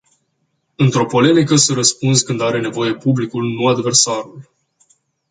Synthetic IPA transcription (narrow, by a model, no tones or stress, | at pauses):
ɨnt̪ɾo̞po̞le̞mikəsəɾəspunskɨnd̪aɾe̞ne̞vo̞je̞publikulnuad̪ve̞rsaɾul